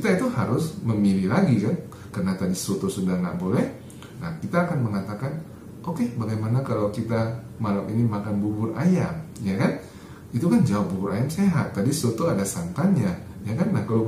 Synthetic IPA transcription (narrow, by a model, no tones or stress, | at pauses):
kit̪ait̪uhaɾʊsməmililaɡikan | karənat̪adisot̪osudahŋɡa̰ʔbolɛh | nahkit̪aːkanməŋat̪akan | ʔokebaɡajmanakalawkit̪a | malaminimakanbubʊrʔa̰jamjakan | it̪ukand͡ʒaʊpbubʊɾajamseɦa̰t̪ːadisot̪oadasant̪aɲa | jakanlahkala